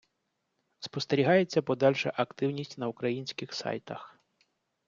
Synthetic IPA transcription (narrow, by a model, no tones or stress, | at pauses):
spɔst̪eɾʲiɦɑjet͡sʲːɐpɔd̪ɑlʲʃɛʔɐkt̪ɪwnʲisʲtʲnɐukɾɐjinʲsʲkɪxsɑ̰jt̪ɐx